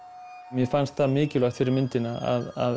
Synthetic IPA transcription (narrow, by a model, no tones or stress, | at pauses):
mjɛfanst̪θamɪːcɪlaxt̪fɪɾɪɾmɪnt̪ɪnaa̰ða̰ð